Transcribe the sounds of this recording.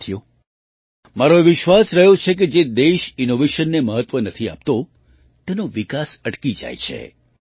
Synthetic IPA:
t̪ʰijo | maɾoʋɪʃʋasɾəɦjot͡ʃʰek̬ed͡ʒed̪eʃinoʋeʃənːeməɦət̪ʋənət̪ʰia̰p̚t̪o | t̪enoʋikasəʈkid͡ʒa̰jt͡ʃʰḛ

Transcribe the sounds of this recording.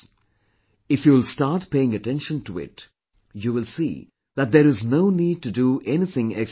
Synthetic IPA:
ɪfjulsʈɑːɾʈpeɪɪ̃ŋəʈɛ̃nʃə̃ntuɪ̰t | juːʋɪlsḭː | ðæt̚d̪eɾɪznoʊniːd̚ʈuduʔɛnɪθɪ̃ŋɛks

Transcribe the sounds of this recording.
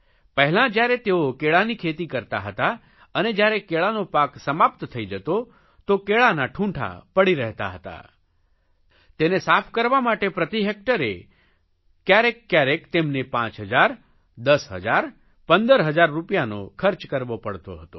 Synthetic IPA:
pəɦɛlãd͡ʒjaɾet̪eokeɭanikʰet̪ikəɾt̪a̰ɦət̪a | əned͡ʒjaɾekeɭanopaksəmapt̪t̪ʰəid͡ʒət̪o | t̪okeɭanaʈʰũɳʈʰa̰pəɽiɾəɦt̪a̰ɦət̪a̰ | t̪enesapʰkəɾʋamaʈepɾət̪iɦek̚ʈəɾḛ | kjaɾekːjaɾekt̪emnepãt͡ʃɦəd͡ʒaɾ | d̪əsɦə̰d͡ʒaɾ | pənd̪əɾɦəd͡ʒaɾːupjano̰kʰəɾt͡ʃkəɾʋopəɽt̪o̰ɦət̪o

